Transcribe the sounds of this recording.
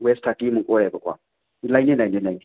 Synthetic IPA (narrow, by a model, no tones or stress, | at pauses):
wɛstʰakimʊkʼɔɛbɔkwa̰ | najntinːajntinːajntʰi